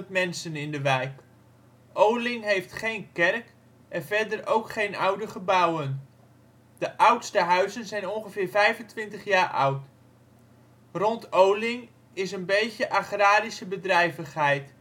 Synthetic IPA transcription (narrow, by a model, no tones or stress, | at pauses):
tmɛnsənɪndəʋɛjk | ʔowlɪŋɦejftχejnkɛrk | ʔɛnvɛrdərowkχejnawdəχəbawən | d̥əʔʌwtstəɦœɥzənzɛjnɔnχəvɪːrvɛjvəntʋɪntəχjaːrʔʌ̰wt | rɔntʰowlɪŋ | ɪsənbejcəʔaχraːɾisəbədrɛjvəχhɛjt